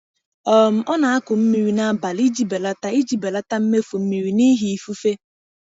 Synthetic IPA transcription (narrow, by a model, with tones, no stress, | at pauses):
ɔ˨m̩˨ɔ˦na˨a˦kʊ˨m̩˦mi˦ɾi˨na˨ba˨li˦d͡ʒi˦be˨la˦ta˦i˦d͡ʒi˨be˨la˦ta˦m̩˦me˦fo˨m̩˦mi˨ɾi˨ni˦ɦi˨i˨fu˦fe˦